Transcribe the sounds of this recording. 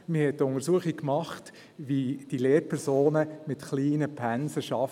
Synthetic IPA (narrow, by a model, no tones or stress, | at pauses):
mɪhɛt̚tːʊŋəɾsuəχikkmɑχt | ʋid̥ileːɾpʰɛɾsoːnəmɪtχliːnəpʰænsəʃɑf